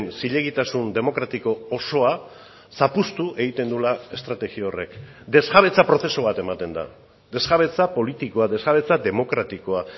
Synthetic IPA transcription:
nsiʎe̞ɣit̪asund̪e̞mo̞kɾat̪iko̞ːso̞a | sapust̪uʔe̞ɣit̪e̞nd̪ulae̞st̪ɾat̪e̞ɣiore̞̰k | d̪e̞zɣaβ̞e̞t͡sapɾo̞θe̞soβat̪e̞mat̪e̞nd̪a̰ | d̪e̞zɣaβ̞e̞t͡sapo̞lit̪iko̞ade̞zɣaβe̞t͡sad̪e̞mo̞kɾat̪iko̞a

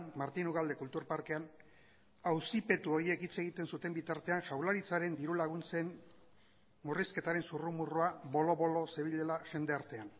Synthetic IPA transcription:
nmaɾt̪inuɣald̪e̞kult̪uɾpaɾke̞an | awsipe̞t̪uo̞ɾie̞kit͡se̞ɣ̞it̪e̞nsut̪e̞mbit̪aɾt̪e̞anʝawlaɾit͡saɾe̞nd̪iɾulaɣ̞unt͡se̞n | muriske̞t̪aɾe̞nsurumuruaβo̞lo̞βo̞lo̞se̞β̞iʎelaʝe̞nd̪e̞aɾt̪e̞an

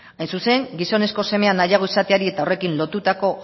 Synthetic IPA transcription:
ajnsuse̞ŋɡiso̞ne̞sko̞se̞me̞anajaɣ̞o̞isat̪eaɾie̞t̪ao̞re̞kinlo̞t̪ut̪ako̞

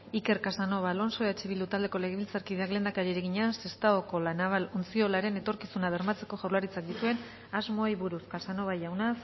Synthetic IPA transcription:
ike̞ɾkasano̞βalo̞nso̞eat͡ʃiβild̪ut̪ald̪e̞ko̞le̞ɣeβilt͡saɾkiðe̞aklend̪akaɾieɾeɣ̞iɲase̞st̪aoko̞lanaβalunt͡sio̞laɾe̞ne̞t̪o̞ɾkisunaβ̞e̞ɾmat͡se̞ko̞ʝawlaɾit͡sak̚d̪it̪ue̞n | azmo̞jβuɾuskasano̞βajawnas

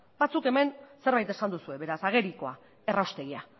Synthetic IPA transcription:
bat͡suke̞me̞nse̞ɾβajt̪e̞sand̪usue̞βe̞ɾasaɣ̞e̞ɾiko̞a | e̞rawst̪eɣia

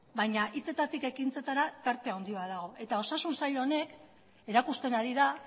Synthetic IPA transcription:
bajɲaʔit͡se̞t̪at̪ike̞kint͡se̞t̪aɾat̪aɾt̪e̞awnd̪iβaðaɣo̞ʔe̞t̪ao̞sasunsaʎoone̞k | e̞ɾakust̪e̞naɾiða

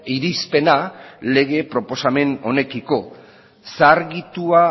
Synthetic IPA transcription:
iɾispe̞nale̞ɣ̞e̞pɾo̞po̞same̞no̞ne̞kiko̞ | saɾɣit̪ua

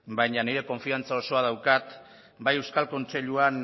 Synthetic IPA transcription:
bajɲaniɾe̞ko̞ɱfiant͡sao̞so̞að̞awkat̪ | bajewskalko̞nt͡se̞ʎuan

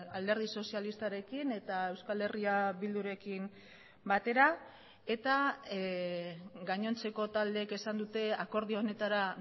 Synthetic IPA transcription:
ald̪e̞ɾð̞iso̞sialist̪aɾe̞kine̞t̪ae̞wskale̞riaβild̪uɾe̞kim | bat̪e̞ɾa | e̞t̪a | ɡaɲo̞nt͡se̞ko̞t̪ald̪e̞ːke̞sand̪ut̪e̞ako̞ɾð̞ione̞t̪aɾa

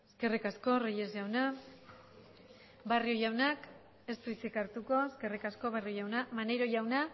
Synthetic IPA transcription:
eske̞rikasko̞rejezjawna | bario̞jawnak | e̞st̪uit͡sekaɾt̪uko̞eske̞rikasko̞βariojawnamanejɾo̞ʝawna

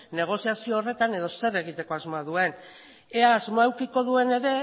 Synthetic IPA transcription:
ne̞ɣ̞o̞siasioːre̞t̪ane̞ð̞o̞se̞ɾe̞ɣ̞it̪e̞ko̞azmoaðue̞n | eaːzmoaewkiko̞ðue̞ne̞ɾe̞

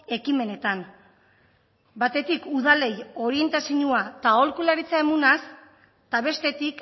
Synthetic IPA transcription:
e̞kime̞ne̞t̪an | bat̪e̞t̪ikuðale̞jo̞ɾie̞nt̪asiɲuat̪ao̞lkulaɾit͡saemunas | t̪aβ̞e̞st̪e̞t̪ik

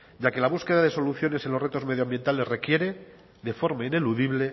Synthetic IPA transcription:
ɟ͡ʝake̞laβ̞uske̞ðaðe̞so̞luθjone̞se̞nlo̞re̞t̪o̞zme̞ðjoambje̞nt̪ale̞zre̞kje̞ɾe̞ | ðe̞fo̞ɾmaine̞luðiβle̞

